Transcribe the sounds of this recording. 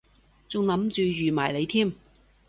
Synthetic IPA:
t͡sʊ˨ŋlɐ˨˧˥mt͡ʃyː˨˧jyː˨ma̰ː˨˩jle˨˧jt̪ʰiː˥˩m

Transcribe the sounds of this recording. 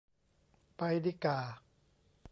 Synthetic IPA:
pa˧jdi˧kaː˨˩

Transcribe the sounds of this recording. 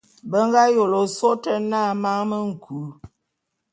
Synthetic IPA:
bə˦ŋ˦ɡa˦jo˨lo˨so˦tə˦na˦˨ma˦ŋmə˦ŋ̩˨kʰu˨˦

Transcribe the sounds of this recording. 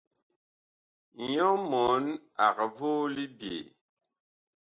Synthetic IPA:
ɲɔ˦mɔ˨˦na˨kvo˦li˦bjḛ˨

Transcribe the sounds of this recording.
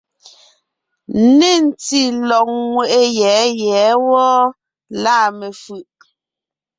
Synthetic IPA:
ne˦˨n̩˨ti˦lɔ˨k̚ŋwe˨ʔe˦jɛ˨˦jɛ˨˦wɔ˦ | laː˦˨me˨fʉ˨ʔ

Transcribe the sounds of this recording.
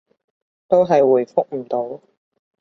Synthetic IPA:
t̪o˥wɦɐ˨jwuː˨˩jfʊ˥k̚m̩˨˩t̪o˨˥w

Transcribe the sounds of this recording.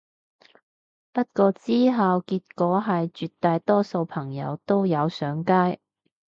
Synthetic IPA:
pɐ˥t̚kɔː˧t͡siː˥ɦɐ˨wkiː˧t̚kɔː˨˥ɦɐ˨jt͡ʃyː˨tt̪ːaː˧jt̪ɔː˥so˧wpʰɐ˨˩ŋjɐ̰˨˧wt̪o˥wjɐ˨˧wsœː˨˥ŋkaː˥j

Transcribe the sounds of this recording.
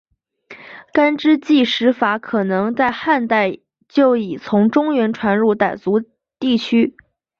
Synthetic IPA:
ka˥nʈ͡ʂɻ̩˥t͡ɕi˥˩ʂɻ̩˧˥fa˧˥kʰɤ˨˩nɤ˧˥ŋt͡sa˥˧ɪxa˥˧nt̪a˥˧ɪ | t͡ɕjo˥˩ʊi˨˩t͡sʰʊ˧˥ŋʈ͡ʂʊ˥ŋɥɛ˧˥nʈ͡ʂʰwa˧˥nɻu˥˩t̪a˨˩ɪt͡su˧˥ | t̪i˥˩t͡ɕʰy˥

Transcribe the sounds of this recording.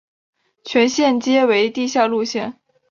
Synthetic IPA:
t͡ɕʰɥɛ˧˥nɕjɛ˥˩nt͡ɕjɛ˥we˧˥ɪt̪i˥˧ɕja˥˧lu˥˧ɕjɛ˥˩n

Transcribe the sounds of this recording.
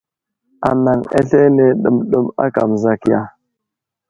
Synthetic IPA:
a˨na˨ŋḛ˦ɬe˦ne˨ɗə˨mɗə˦ma̰˦ka̰˨mza˨kja˦

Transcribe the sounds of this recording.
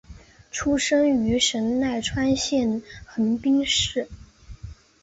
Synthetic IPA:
ʈ͡ʂʰu˥ʂɤ˥ŋy˧˥ʂə˧˥nna˥˩ɪʈ͡ʂʰwa˥nɕjɛ˥˩nxə˧˥npi˥ŋʂɻ̩˥˩

